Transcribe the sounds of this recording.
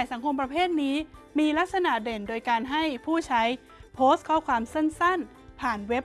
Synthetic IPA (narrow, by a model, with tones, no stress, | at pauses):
a˨˩jsa˩˦ŋkʰo˧mpɾa˧pʰeː˥˩t̪̚niː˦˥miː˧la˦˥k̚sa˧na˨˩de˨˩ndoː˧jkaː˧nɦa˥˩jpʰuː˥˩t͡ɕʰa˦˥j | pʰoː˦˥st̪̚kʰɔː˥˩kʰwaː˧mse˥˩nsa˥˩n | pʰaː˨˩nwe˦˥p̚